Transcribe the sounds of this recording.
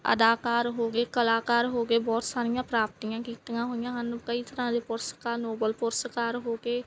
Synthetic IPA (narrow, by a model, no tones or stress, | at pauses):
ə̰d̪aːkaːɾɦoːɡeːkəlaːkaːɾɦoːɡeːbɔːt̪saːɾɪjãːpɾaːp̚t̪ijãːkiːt̪jãːɦoːɪjãːɦənkəiːt̪əɾãːd̪eːpʊɾsə̥kaːnoːbəlpʊɾsəkaːɾɦoːɡeː